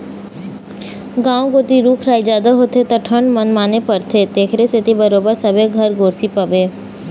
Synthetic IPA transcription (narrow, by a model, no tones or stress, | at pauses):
ɡãːõɡoːt̪iɾuːkʰɾaːid͡ʒaːd̪aɦoːt̪ʰet̪aʈʰəɳɖmənmaːnepəɾt̪ʰed̪eːkʰɾeset̪ibəɾoːbəɾsɐbʱeɡʱəɾɡoːɾsipɐbeː